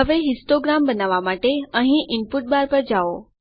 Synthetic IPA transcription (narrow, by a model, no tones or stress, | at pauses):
əʋeɦɪsʈoɡɾambənaʋamaʈeə̃ɦĩʔɪnpuʈ̚baɾpəɾd͡ʒao